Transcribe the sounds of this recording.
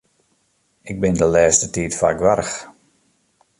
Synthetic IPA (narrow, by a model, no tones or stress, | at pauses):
ɪɡ̚bɪndəlɛːstətiːtfa̰ɡʋarx